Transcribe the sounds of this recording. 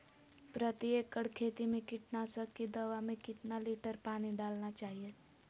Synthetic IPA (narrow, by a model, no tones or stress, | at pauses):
pɾət̪ieːkəɽkʰeːt̪imẽkɪʈnaːsəkːid̪ɐʋamẽkɪt̪naliːʈəɾpaːniɖaːlnat͡ʃaːɦije